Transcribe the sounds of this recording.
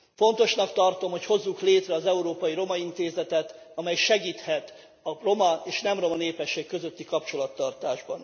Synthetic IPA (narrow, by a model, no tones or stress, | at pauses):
fo̞n̪t̪o̞ʃnɒkt̪ɒrt̪o̞mho̞cho̞zːukleːt̪rɛɒzɛuɾoːpɒjiɾo̞mɒint̪eːzɛt̪ɛt̪ | ɒmɛjʃɛɡiːt̪hɛt̪ | ɒro̞mɒeːʃnɛmro̞mɒneːpɛʃːeːkːø̞zø̞t̪ːikɒpt͡ʃo̞lɒt̪ːɒrt̪aːʒbɒn